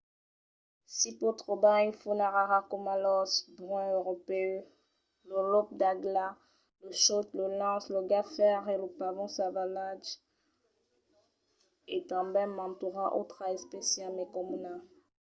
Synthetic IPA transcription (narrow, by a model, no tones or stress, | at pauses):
sipot̪χobaĩfunaʁaʁakomalɔsbʁɛ̃øʁɔpeø | ləlɔp̚d̪aɡla | ləʃɔt̪ləlɑ̃sləɡafɛʁeləpavɔ̃savalad͡ʒ | et̪ɑ̃bɛ̃mɑ̃t̪uʁaʔo̰t̪χaɛspesjamekɔmuna